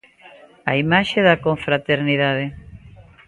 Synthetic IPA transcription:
aimaʃeðakoɱfɾat̪eɾniðaðe

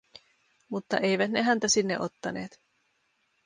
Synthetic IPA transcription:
mut̪ːɑ̰ʔe̞jʋæt̪ne̞ɦænt̪æsinːeʔot̪ːɑne̞̰ːt̪

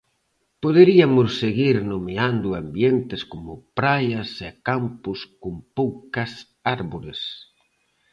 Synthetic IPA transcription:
poð̞eɾiamʊssːeɣiɾnomeand̪ʊambjent̪eskomʊpɾajasekampʊskʊmpowkɐs | aɾβoɾes

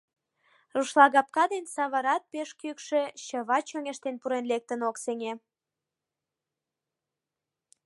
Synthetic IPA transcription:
ruʃlɑɣɑp̚kɑd̪ensɑβəɾɑt̪̚peʃkykʃeɕəβɑt͡ɕøŋeʃt̪enpuɾenlek̚t̪ənokseŋe

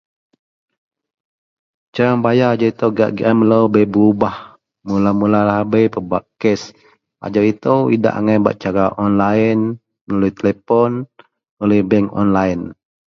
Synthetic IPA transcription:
t͡ʃaɾaŋbajaad͡ʒaɾit̪əwɡa̰ʔɡʔamləwbejbəubah | mulamulalahbəjpəbaʔkɛs | a̰d͡ʒaɾit̪əwida̰ʔa̰ŋajba̰ʔ̚t͡ʃaɾaʔɔnlan | mənulujt̪əlɛpɔn | oluhbɛŋɔ̰nlajən

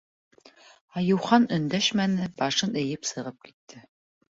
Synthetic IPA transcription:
ɑjuwχɑnɨnd̪ɛʃmænɨb̥ɑʂɨnejɪpsɨʁəp̚kʲʰi̥t̪ʰːɘ

